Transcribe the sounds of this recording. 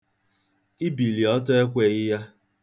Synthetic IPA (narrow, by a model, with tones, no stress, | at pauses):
i˦bi˨li˨ɔ˦tɔ˦e˦kʷe˨ɣɪ˦ja˦